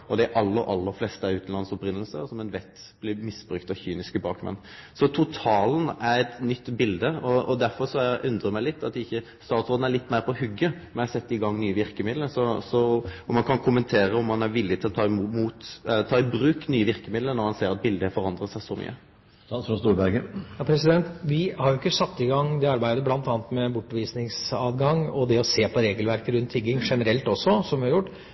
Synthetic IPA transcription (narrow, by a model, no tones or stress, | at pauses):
ɔd̪ɛʔɑlːəɾʔɑ̰lːəɾflɛst̪əæɾʉːt̪n̩lɑnəsɔpɾɪnːəlsə̰sɔmɛnʋɛt̪ː | b̥lɪmɪsbɾʉkt̪ɑçyːnɪskəbɑːkmɛ̰n | sɔt̪ʰʊt̪ʰɑːln̩æɾɛt̪nʏt̪ːbɪld̪əɔɔd̪æɾfɔɾʂɔæʔʉnd̪ɾəmæɪlɪt̪ːɑt̪ːɪçːə | st̪ɑːʁt̪soːd̪n̩æɾlɪt̪ːmæɪɾpʰɔːhʏɡːəmɛnjæhsɛt̪ːɪɡɑŋːnyːəʋɪɾkəmɪd̪ləsɔsɔɔmɑnkʰɑnkʰʊmənt̪ʰeːɾəɔmːɑnæɾʋɪlːɪt̪ʰɪlɔt̪ʰɑːɪmumuːt̪ɛlːət̪ʰɑːɪbɾʉːknyːəʋɪɾkəmɪd̪lənɔɾmɑnseːɾɑt̪̚bɪld̪əæfɔɾɑnd̪ʁət̪sæɪsɔmy̰ːə | st̪uːɾbæɾɡəjɑpʰɾɛsɪd̪ɛnt̪ʋɪhɑɾjʊɪkːəsɑt̪ːɪɡɑŋd̪ɛɑɾbæɪd̪əblɑnt̪ɑːnt̪mɛbʊʈːʋiːsnɪŋsɑːd̪ɡɑŋɔd̪ɛɔseːpʰɔɾeːɡəlʋæɾkəɾʉnt̪ʰːɪɡːɪŋʂɛnəɾɛlt̪ɔsːɔsɔmʋɪhɑɾjʊʈː